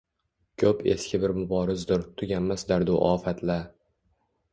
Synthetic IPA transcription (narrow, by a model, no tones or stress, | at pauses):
kʲʰɵpe̞̰skʲɪbɪɾmʊbɒːɾɪzd̪ʊɾt̪ʰʊɡʲanmasd̪aɾd̪ʊʔɒːfat̪ʰla